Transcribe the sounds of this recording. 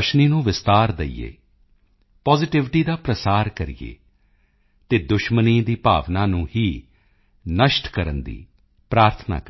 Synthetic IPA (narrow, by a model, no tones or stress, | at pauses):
əʃniːnũːʋɪst̪aːɾd̪eḭːḛː | pɔːzɪʈɪʋʈiːd̪aːpɾəsaːɾkəɾijḛː | t̪eːd̪ʊʃməniːd̪iːpa̰ːʋnãːnũːhiː | nəʃʈkəɾənd̪ḭː | pɾaːɾt̪ʰna̰ːkː